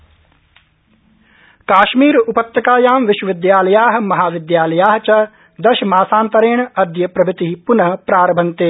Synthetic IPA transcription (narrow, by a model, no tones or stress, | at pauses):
kaːʃmiːɾupɐt̪jɐkaːjaːmʋɪʃwɐʋɪd̪jaːlɐjaːɦmɐɦaːʋɪd̪jaːlɐjaːɦt͡ʃɐ | d̪ɐʃɐmaːsaːnt̪ɐɾeːɳɐd̪ʱjɐpɾɐbʱɪt̪iɦipʊnɐɦpɾaːɾɐbʱɐnt̪eː